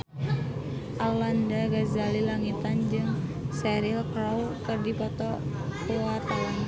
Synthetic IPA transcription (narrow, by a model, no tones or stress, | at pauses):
ʔalandaɡazalilaŋit̪and͡ʒɨŋsɛɾilklawkɨrdipɔt̪ɔ | kuat̪an